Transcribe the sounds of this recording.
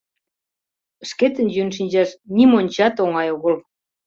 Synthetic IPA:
əʃket̪ə̆njynʃ̬inʲd͡ʑɑʃnimonʲt͡ɕɑt̪oŋɑjoɣəl

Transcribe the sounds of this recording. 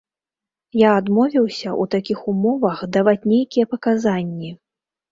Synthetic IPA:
jaːd̪mɔvʲiwsʲɐʔut̪akʲixumɔvɐxd̪avat͡sʲnʲejkʲijɛpɐkazanʲːi

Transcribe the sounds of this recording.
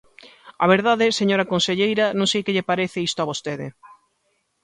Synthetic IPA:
ɐ̰β̞eɾðaðɪseɲoɾɐkonseʎejɾɐnõŋsejkɪʎɪpaɾeθɪist̪oaβost̪eðɪ̰

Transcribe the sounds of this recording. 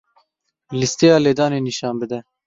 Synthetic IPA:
list̪ejɑːleːd̪ɑːneːniʃɑːnbɨd̪ɛ

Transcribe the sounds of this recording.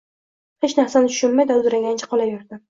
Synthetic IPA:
het͡ʃnaɾsanɪt̪ʰʊ̥ʃʊnmajd̪aʊzɾaŋɡʲanɪt͡ʃʰḁqʰɒlajɪɾd̪ɪ

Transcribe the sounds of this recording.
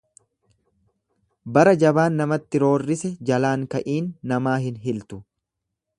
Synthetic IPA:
bɐɾɐd͡ʒɐbaːnːɐmɐt̪ːɪɾo̞ːrːɪsɛd͡ʒɐlaːŋkɐʔiːnːɐmaːɦɪnɦɪlt̪ʊ

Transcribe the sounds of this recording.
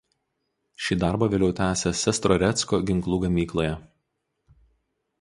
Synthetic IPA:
ʃʲiːd̪ɑˑɾbɐːʋʲeːlʲɛʊt̪ʲæːsʲɛsʲɛst̪ɾɔɾʲɛt̪skoːɡʲɪŋklˠuːɡɐmʲiːklˠoːjɛ

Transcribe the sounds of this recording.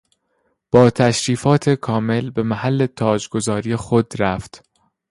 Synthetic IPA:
b̥ɒːt̪ʰæʃɾiːfɒːt̪ʰekʰɒːme̞lbe̞mæhælːe̞t̪ʰɒːd͡ʒɡo̞zɒːɾijexo̞d̪ɾæft̪

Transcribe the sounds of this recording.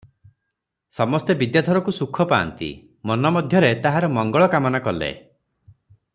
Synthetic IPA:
sɔmɔst̪ebid̪jat̪ʰɔɾɔkusukʰɔpa̰ːnt̪ḭ | mɔnɔmɔd̪ʱjɔɾet̪aɦaɾɔmɔŋɡɔɭɔkamɔnakɔlḛ

